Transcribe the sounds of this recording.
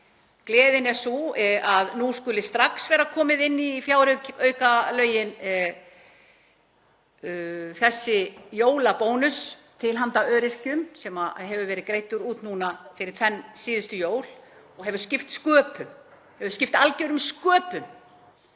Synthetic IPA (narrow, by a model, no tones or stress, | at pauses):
klɛːðɪnɛsuaðnuskʏlɪst̪ɾaksvɛːɾakʰɔːmɪðɪnːifjaːwɾʏœːɥkalœːɥjɪn | θɛsːɪjoːwlapoːwnʏst̪ʰɪlɦant̪aœːɾɪr̥cʏmsɛmaɦɛvʏvɛːɾɪðkɾejt̪ʏɾuːt̪nuːnafɪɾɪɾ̥t̪ʰvɛnːsiːðʏst̪ʏjoːwl̥ | ɔɣɦɛvʏscɪft̪skœːpʏm | hɛvʏ̥scɪft̪alceɥɾʏmskœːpʏm